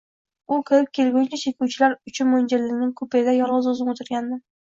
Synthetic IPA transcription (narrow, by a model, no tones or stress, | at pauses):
ʊkʲʰɪɾɪp̚kʲʰe̞lɡʲʊnt͡ʃat͡ʃʰekʲʰuwt͡ʃʰɪlaɾʊt͡ʃʰɪnmond͡ʒɪɾlɪŋʲnɪŋkʰɵpʰed̪ajɒlˠʁɨzozɪmot̪ʰɪɾɡʲand̪ɪ